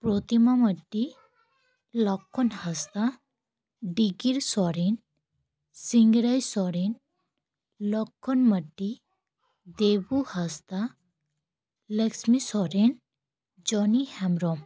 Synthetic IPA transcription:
pɾot̪imaməʈːi | lɔkʰːɔnhast̪a | ɖiɡiɾsɔɾin | siŋɡɾajsɔɾin | lɔkʰːɔnməɖːi | d̪ebuhast̪a | leksmisɔɾen | d͡ʒɔnihɛmɾɔm

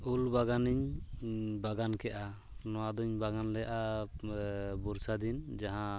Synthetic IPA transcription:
ulbaɡaniɲ | baɡankɛʔa | nɔwad̪ɔɲbaɡanlɛjaʔa | buɾsad̪ind͡ʒaɦã

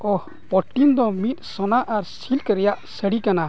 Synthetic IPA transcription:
ɔh | pɔʈind̪ɔmit̪̚sɔnaʔaɾsilkəɾɛjaʔsəɽikana

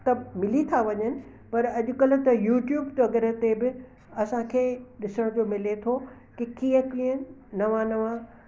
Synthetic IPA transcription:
t̪ɐmɪlit̪ʰaʋɐɲənɪ̆ | pɐɾɐʄʊkɐlʊ̆t̪ɐjuːʈjuːbt̪ɐɡəɾət̪ebɪ | ɐsãkʰeːɗɪsəɽ̃t̪omɪlet̪ʰo | kɪkiːəkiːənɐʋãnɐʋã

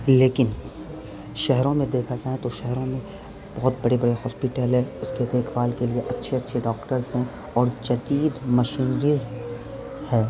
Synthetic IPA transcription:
leːkɪn | ʃɛɦɾõmẽd̪eːkʰad͡ʒaːɦẽt̪oʃɛɦɾõmẽ | b̥ɐɦʊt̪̚bɐɽebɐɽeɦɔːspɪʈəlɦɛ̃ːʊsked̪eːkʰʋaːlkelieʔɐtːʃʰeɐtːʃʰeɖɔːkʈəɾzɦɛ̃ | ɔːɾd͡ʒɐd̪iːd̪mɐʃiːnɾiːz | hɛː

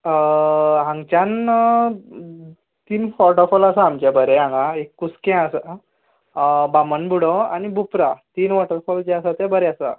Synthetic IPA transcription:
ɦãŋɡt͡ɕjan | t̪iːnfɔʈəɾfɔlasaːmt͡ɕabəɾɛɦãŋɡãekːuskɛ̃asa | bamənbuɽɔa̰nibupɾat̪iːnʋɔʈəɾfɔld͡ʑɛasat̪ɛbəɾɛasa̰

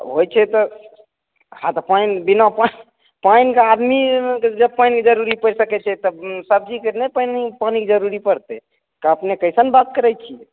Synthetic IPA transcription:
ɦojt͡ʃʰɛt̪ɔ | hãt̪ɔpainbinapan | painkead̪mikd͡ʒəb̚pajnked͡ʒəɾuɾipəɾsəkɛt͡ʃʰɛt̪ɔbsəb̚d͡ʒikenɛpanipaniked͡ʒəɾuɾipəɾt̪ɛ | kaəpnekəjsənbat̪̚kəɾɛj̚t͡ʃʰiɛ

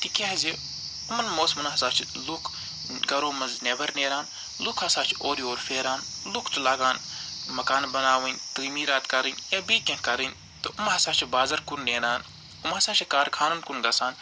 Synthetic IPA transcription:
t̪ikʲeɦzi | umɐnmoːsmɐnɦɐsaːt͡ʃʰilukʰ | ɡɐɾoːmɐnzneʋɐɾneːɾaːn | lukʰɐsaːt͡ʃʰi̥oːɾioːɾfeːɾaːn | lukʰt̪ulaːɡaːn | mɐkaːnbɐnaːʋɐnʲt̪ɨːjmiːɾaːt̪kɐɾɨnɐbiːkʲɐ̃nkɐɾɨn | t̪ɨʔumɦɐsaːt͡ʃʰibaːzɐɾkunːeːɾaːn | umɐsaːt͡ʃʰikaːɾkʰaːnɐnkunɡɐsaːn

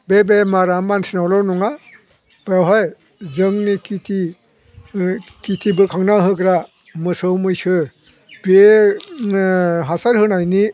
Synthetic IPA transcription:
bebemaɾamansinawlɔnuŋa | b̥ajɦɔj | zɯŋnikitʰi | kitʰibɯkʰaŋnaɦɯɡɾa | mɯsɯwmɯjsɯ | be | ɦasaɾhɯnajni

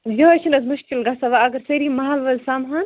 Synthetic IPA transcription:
jɐɐt͡ʃʰinɐzmuʃkilɡɐsɐʋaɐɡɐɾsɐɾimɐɦɐlʋɐlsamɦɐn

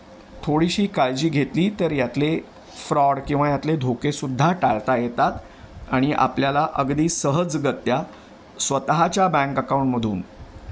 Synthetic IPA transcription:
t̪ʰoɽiɕiːkald͡ʑiːɡʱet̪liːt̪əɾjat̪le | fɾɔɽkĩw̃ʋ̤ajat̪led̪ʱokesud̪ʱːaʈaɭt̪ajet̪at̪ | aɽ̃iʔa̰pljalaʔəɡd̪iːsəɦəd͡zɡət̪ːja | sʋət̪aɦat͡ɕjabɛ̃ŋkəkauɳʈməd̪ʱuːn

